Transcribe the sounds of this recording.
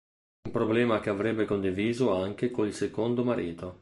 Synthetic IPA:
umpɾoblɛːmak̟eavɾɛbːekond̪iviːzoaŋk̟ekoilsekond̪omaɾʔiːt̪o

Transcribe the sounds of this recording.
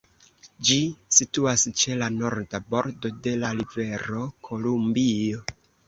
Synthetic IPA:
d͡ʒisituast͡ʃe̞lano̞ɾdabo̞ɾdo̞de̞lalive̞ɾo̞kʰo̞lumbio̞

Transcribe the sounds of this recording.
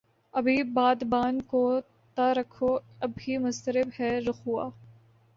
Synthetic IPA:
ɐbʱibaːd̪baːnko | t̪aɾɐkʰoɐbɦimʊst̪əɾɪbhɛɾʊxua̰ː

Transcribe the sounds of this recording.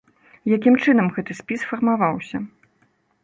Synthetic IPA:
jakʲimt͡ʂɨn̪ɐmɣɛt̪ɨsʲpʲisfɐrmavawsʲɐ

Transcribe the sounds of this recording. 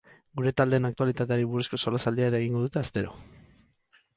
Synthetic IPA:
ɡuɾe̞t̪ald̪e̞ːnakt̪ualit̪at̪eaɾiβurusko̞solasald̪iaeɾaeɣ̞iŋɡo̞ðut̪e̞ast̪e̞ɾo̞̰

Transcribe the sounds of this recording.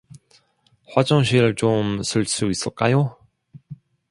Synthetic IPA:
ɸwad͡ʑʌŋɕ̬ʰiɾɯɭt͡ɕomsʰuɭs͈uis͈ɯɭ̚k͈ajo

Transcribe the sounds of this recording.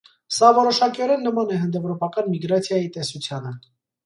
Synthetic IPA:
sɑvɔɾɔʃɑkiɔɾɛnːəmɑnɛɦənd̪ɛvɾɔpɑkɑnmiɡɾɑt͡sʰjɑjit̪ɛsut͡sʰjɑnə

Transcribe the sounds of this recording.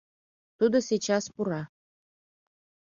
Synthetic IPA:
t̪ud̪oset͡ɕɑspuɾɑ

